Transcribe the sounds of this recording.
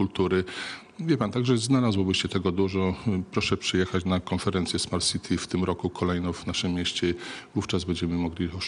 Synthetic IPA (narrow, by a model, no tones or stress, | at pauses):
ult̪uɾɘ | vʲjɛpant̪aɡʐɛznalazwɔbɘɕɛt̪ɛɡɔd̪uʐɔpɾɔʂɛpʂɘjɛxat͡ɕnakɔnfɛɾɛnt̪sʲjɛsmaɾsʲit̪ʰʲift̪ɘmɾɔkukʰɔlɛjnɔ̃wvnaʂɘmːjɛɕt͡ɕɛvuft͡ʂazbɛɲd͡ʑɛmɘmɔɡlʲi